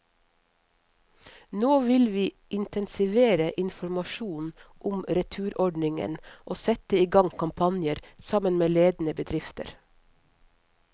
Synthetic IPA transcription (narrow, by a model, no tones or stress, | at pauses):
noːʋɪlʋiː | ʔɪnt̪ɛnsɪʋeːɾəʔɪnfɔɾmɑʃuːnʔʊmɾɛt̪ʰʉːɾʔɔɖnɪŋə̰nʔoːsɛt̪əiːɡɑŋkʰɑmpʰɑnjəɾsɑmənmeːleːd̪n̩əbəd̪ɾɪft̪ə̰ɾ